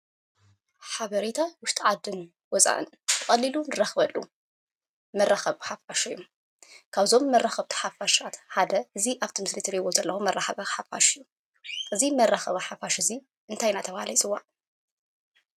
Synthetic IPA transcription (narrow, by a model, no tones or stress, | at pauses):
ħaβɐɾet̪ʰawʊʃt̪ʼʰiʕad̪ɨn | wɔsʼa̰ʔɨ̰n | t̪ʰɨkʼɐlːilunɨraxβɐlːṵ | mɐrːaxɐβħafaʃɐjum | kʰaβzo̞mːɐrːaxɐβt̪ʰi̥ħafaʃʔat̪ħad̪ɐɨziʔaβt̪ʰimɨslit̪ʰɨɾiwozɐlːɐxumɐrːʔaxɐβɐħafa̰ʃjːu | ʔɨzimɐrːaxɐβɐħafaʃɨzi | ʔɨnt̪ʰajnat̪ʰɐβhalɐt͡sʼɨwːa